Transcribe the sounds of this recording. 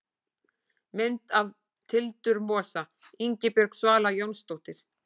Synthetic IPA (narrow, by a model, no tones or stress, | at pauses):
mɪnt̪av | t̪ʰɪlt̪ʏɾmɔːsa | iɲcɪpɛɾksvaːlajownst̪owht̪ɪɾ̥